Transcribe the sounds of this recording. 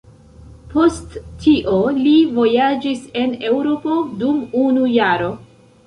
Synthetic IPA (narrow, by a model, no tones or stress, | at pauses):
po̞stːʰiʔo̞livo̞jad͡ʒise̞ne̞wɾo̞po̞dumunujaɾo̞